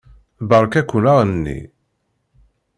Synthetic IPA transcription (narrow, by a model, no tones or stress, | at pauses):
bəɾˤkækʷːunaʁnnːḭ